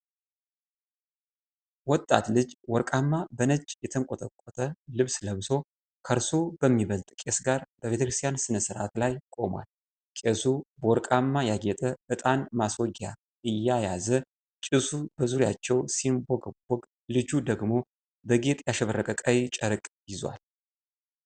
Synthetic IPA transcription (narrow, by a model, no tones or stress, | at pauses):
wɔt̪ʼːa̰t̪lɨd͡ʒwɔɾkʼamːabənəd͡ʒjɛt̪ʰəŋkʼot̪ʼəkʼːɔt̪ʰʼəlɨβsləβso̞ | kʰəɾsob̥əmːiβəlt̪ʼkʼe̞sɡaɾb̥əβe̞t̪ʰəkɾɨst̪ʰjansɨnəsɨɾa̰t̪lajkʼo̞mwa̰l | kʼesubəwɔɾkʼamːajaɡɛt̪ʼəɨt̪ʼanmaswɔɡa̰ | ʔɨjːajazə | t͡ʃʼɨsubəzuɾja̰t͡ʃːɛwsinbɔɡbɔɡ | lɨd͡ʒud̪əɡmo̞ | bəɡe̞t̪ʼjaʃɛβəɾːəkʼəkʼəjt͡ʃʼəɾkʼjɪzwa̰l